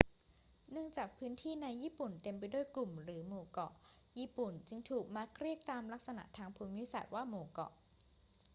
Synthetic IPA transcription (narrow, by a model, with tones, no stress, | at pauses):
nɯ˥˩əŋt͡ɕaː˨˩k̚pʰɯː˦˥nt̪ʰiː˥˩na˧jːiː˥˩pu˨˩nt̪e˧mpa˧jdu˥˩əjklu˨˩mɾɯː˩˦moː˨˩kɔ̰˨˩ʔ | jiː˥˩pu˨˩nt͡ɕɯ˧ŋt̪ʰuː˨˩k̚maː˧kʰɾi˥˩ək̚t̪aː˧mla˦˥k̚sa˧na̰˨˩ʔt̪ʰaː˧ŋpʰuː˧˦mi˦˥˩sa̰˨˩t̪̚waː˥˩moː˨˩˦kɔ̰˨˩ʔ